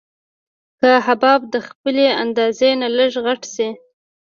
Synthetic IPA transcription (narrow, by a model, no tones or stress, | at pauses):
kəɦabɑb̚d̪əxpəleand̪ɑzenaləʐɣaʈsi